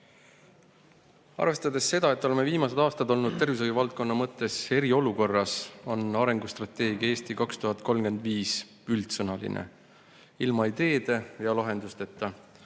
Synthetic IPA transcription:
ɑ̰rve̞st̪ɑd̪e̞sːe̞d̪̥ɑe̞t̪ːˑo̞lemeviːmɑse̞d̪ɑːst̪ɑd̪o̞lnud̪̥̚t̪e̞rvis̬ojuvɑlt̪̚ko̞nːɑmɤt̪ːˑe̞se̞ɾio̞luko̞rːɑso̞nɑɾe̞ŋɡust̪rɑt̪ːˑe̞ːɡ̥jɑeːst̪ikɑkst̪uɦɑt̪ˑko̞lmɡ̥e̞nd̪viːs | ylt̪sɤnɑlḭnʔḛ | ilmɑid̪̥e̞ːd̪̥e̞jɑlɑɦe̞nd̪ust̪e̞t̪ːɑ

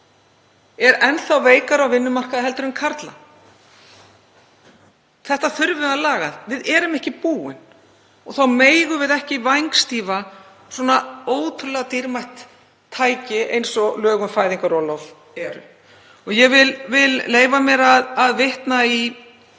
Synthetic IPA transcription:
ɛɾɛnθawveːjkaɾawvɪnːʏmar̥kaðaɦɛlt̪ʏɾʏmkʰaɾt̪la̰ | θɛht̪aθʏɾvɪðalaːɣa̰ðvɪðɛɾʏmɛhcɪpuːɪ̰n | ɔɣθawmeːjɣʏvɪðɛhcɪvajŋkst̪iːva | swɔnaoːwt̪ʰʏɾlɛɣat̪iɾmajht̪ʰː | aːjcɪʔḛjnsɔlœːɣʏnfaːjðiŋkaɾɔlɔv | ɛɾʏ̰ | ɔɣjɛɣvɪlvɪlleːjvamjɛɾaðaðvɪht̪nai

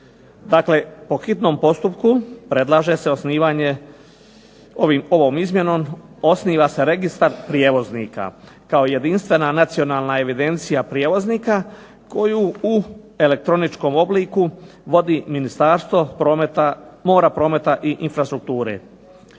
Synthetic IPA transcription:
d̪akle̞po̞xit̪no̞ːmpo̞st̪upkupɾe̞d̪lˠaːʒe̞se̞o̞sniːʋaɲe̞ | oʋimo̞ʋoːmizmjeno̞ːm | o̞sniːʋase̞ɾe̞ɡist̪aɾpɾje̞ːʋo̞znḭːka̰ | kaoije̞d̪inst̪ʋe̞nanat̪sio̞naːlˠnae̞ʋid̪e̞nt̪sijapɾjeːʋo̞zniːka | ko̞juu | e̞le̞k̚t̪ɾo̞nit͡ʃko̞mo̞bliːku | ʋo̞d̪iminist̪aːɾst̪ʋo̞pomet̪amo̞ːɾapɾo̞ːme̞t̪aʔiʔinfɾast̪ɾuk̚t̪uːɾḛ

